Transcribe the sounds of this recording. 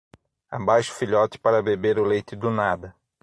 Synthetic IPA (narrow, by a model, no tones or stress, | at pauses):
a̰bajʃʊ̥fiʎɔt̪ɪ̥paɾɐbebeɾʊlejt̪ɪd̪ʊnad̪ɐ